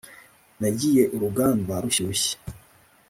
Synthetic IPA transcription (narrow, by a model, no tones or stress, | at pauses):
naɟije̞ʔuɾuɡaːnbaɾuɕiɾuɕe̥